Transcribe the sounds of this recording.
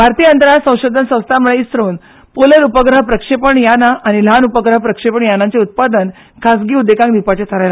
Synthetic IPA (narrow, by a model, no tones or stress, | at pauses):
bʱaɾt̪iːənt̪əɾasə̃w̃ɕod̪ʱənsə̃w̃st̪ʰaməɭeist̪ɾoːn | poləɾupəɡɾəɦpɾəkʂepəɳjanaaɽ̃il̤anupəɡɾəɦəpɾəkʂepəɳjanant͡seut̪̚pad̪ən | kʰasɡiːud̪ekãŋkd̪ipat͡ɕet̪ʰəɾajla